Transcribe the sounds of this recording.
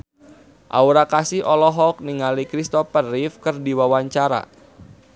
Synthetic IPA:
ʔa̰uɾakasihʔɔlɔɦɔk̚niŋalikɾist̪ɔfərifkɨrdiwawaɲt͡ʃaɾa̰

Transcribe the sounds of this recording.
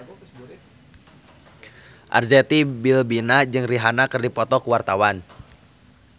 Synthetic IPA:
ʔa̰rd͡ʒɛt̪ibilbinad͡ʒɨŋriɦanakɨrdipɔt̪ɔkuwart̪awan

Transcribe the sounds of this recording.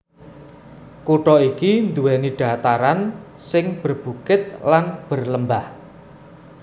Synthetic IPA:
kuʈɔikind̪uwɛniɖ̥a̤t̪aɾansɪŋb̥ə̤rb̥ukɪt̪̚lanb̥ə̤rləmbah

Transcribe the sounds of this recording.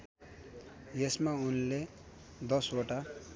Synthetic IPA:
jesmaunle | d̪ʌsoʈa

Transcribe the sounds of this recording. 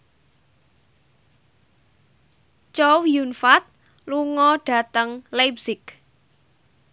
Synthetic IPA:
t͡ʃowjunfat̪̚ | luŋɔɖ̥a̤t̪əŋlajbsɪk

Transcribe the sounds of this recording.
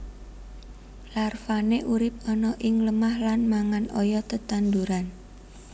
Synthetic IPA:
larfaneʔuɾɪp̚ɔnɔʔɪŋləmahlanmaŋanɔjɔt̪ət̪and̪uɾan

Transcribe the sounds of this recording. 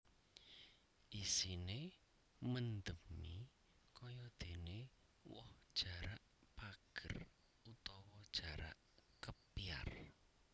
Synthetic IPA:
ʔisine | mənd̪əmi | kɔjɔd̪̥e̤ne | wɔ̰hd̥ʒ̥a̤ɾaʔpaɡ̥ər | ut̪ɔwɔd̥ʒ̥a̤ɾa̰ʔ | kəpia̰r

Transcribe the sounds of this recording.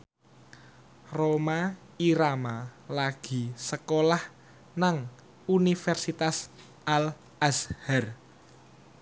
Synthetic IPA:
roma | iɾamalaɡ̥i̤səkolah | naŋ | unifɛrsit̪as | ʔal | ʔashɛr

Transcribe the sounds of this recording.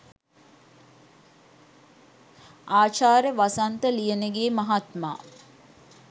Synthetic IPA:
aːt͡ʃaːɾəʋasant̪əlijənəɡeːmaɦat̪ma̰ː

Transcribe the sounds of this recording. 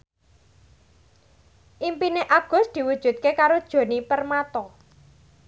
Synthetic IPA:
ʔimpineʔaɡ̥ʊ̤sd̪̥i̤wud̥ʒ̥ṳt̪̚kekaɾod̥ʒ̥o̤nipərmat̪ɔ

